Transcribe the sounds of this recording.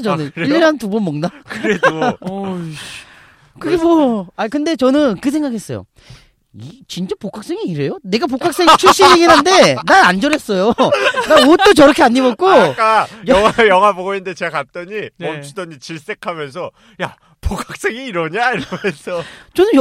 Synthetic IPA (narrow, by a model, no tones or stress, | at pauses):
t͡ɕʌnɯnniʎːeɾɦantubʌnmʌŋnakɯɾe̞do | kɯɡemʌakɯnde̞t͡ɕʌnɯnkɯs̬ʰeŋɡakʰe̞s͈ʌjo̰ | it͡ɕint͡ɕ͈apokʰak̚s͈eŋiːɾe̞jone̞ɡap̬okʰak̚s͈eŋt͡ɕʰuɭɕ͈iɦeɡinɦande̞naɾand͡ʑʌɾes͈ʌjonaɾwʌt͈ot͡ɕʌɾʌkʰe̞aɲːimʌt̚k͈ok͈ajʌŋajʌŋwapoɡoɯndet͡ɕekat͈ʌɲiont͡ɕʰudʌɲit͡ɕiɭs͈e̞kʰamjʌnsʰʌ | ja | pokʰak̚s͈eŋiːɾʌɲaiɾʌmʌnsʰʌt͡ɕʌnɯnj